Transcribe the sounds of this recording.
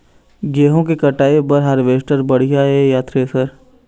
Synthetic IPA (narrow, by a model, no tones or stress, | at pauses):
ɡeːɦõkekɐʈaːebəɾɦaɾʋeːʃʈəɾbəɽ̤ijaejat̪ɾeːsəɾ